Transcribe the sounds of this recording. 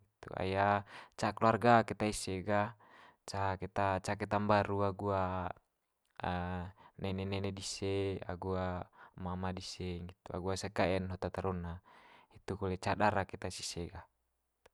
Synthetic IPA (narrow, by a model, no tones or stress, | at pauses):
ŋit̪ṵa̰jat͡ʃakluarɡakɛt̪aiseɡa | t͡ʃakɛt̪at͡ʃakɛt̪ambaɾuaɡua | nʔɛnɛnɛnɛdisea̰ɡuamamadiseŋɡit̪ua̰ɡuasekaɛnɦot̪at̪aɾɔnːait̪ukɔlɛt͡ʃadaɾaket̪asiseɡa | it̪u̥